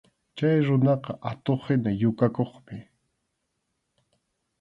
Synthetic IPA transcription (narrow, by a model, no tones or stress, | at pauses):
t͡ʃajɾʊnɑqɑʔat̪oχɪnajʊkakoχmɪ